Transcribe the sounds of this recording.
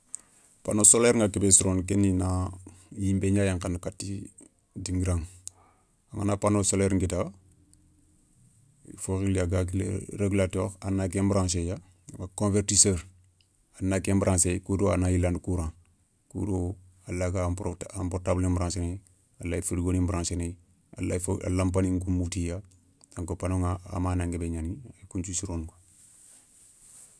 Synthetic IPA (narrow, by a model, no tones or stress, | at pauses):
panosoleɾŋɡakibesɾonkenːinajimbeɲaːjaŋkankatːi | diŋɡiɾaŋ | aŋanapanosoleɾŋɡita | foɣilaɡaɡ̰ɾeɡulatoːɾanak̬embɾãːnʃ̬eja | makõnveɾtisəːɾ | anakembɾãnsejkudoa̰najilandkuɾã | kṵdo | alaɡapampoɾtaːblimbɾãːsene | alajifudɡoːnimbɾãːsene | a̰lafa̰lampaniŋkumutija | taŋkopanoŋa̰ːmaːnaŋɡebeɲanikunt͡ʃusiɾonɡo̥